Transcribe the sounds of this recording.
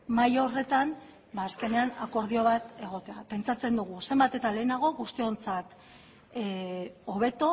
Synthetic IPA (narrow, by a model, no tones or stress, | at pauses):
majo̞re̞t̪am | baːske̞ne̞anako̞ɾð̞io̞β̞at̪e̞ɣ̞o̞t̪e̞ape̞nt͡sat͡se̞nd̪uɣ̞use̞mbat̪e̞t̪ale̞ːnaɣ̞o̞ɣust̪io̞nt͡sat̪ | oβ̞e̞t̪o